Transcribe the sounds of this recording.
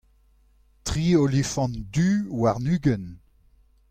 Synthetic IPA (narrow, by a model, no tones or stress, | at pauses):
tʁiːolifɑ̃ndywaʁnyːɡən